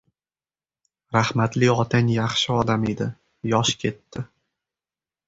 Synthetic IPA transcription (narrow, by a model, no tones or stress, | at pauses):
ɾahmat̪lɪɒt̪ʰanjɑχʃɪɒd̪amed̪ɪ | jɒʃkʲʰe̞t̪ːɪ